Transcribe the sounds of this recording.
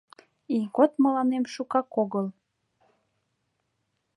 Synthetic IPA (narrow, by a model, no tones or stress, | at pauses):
ikot̪mə̆lɑnemʃukɑkoɣəl